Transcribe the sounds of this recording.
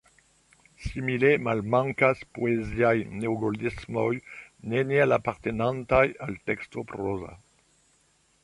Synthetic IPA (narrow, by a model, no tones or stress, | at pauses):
similemalmãŋkaspoezjajnewɡold̪esmɔjnenealapaʁt̪enãnt̪ajalt̪ɛkst̪opɾɔza̰